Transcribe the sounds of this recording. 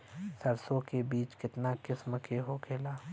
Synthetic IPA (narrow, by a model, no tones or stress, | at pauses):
sɐɾsõkebiːt͡ʃkɪt̪nakɪsməkʰeɦokʰeːlaː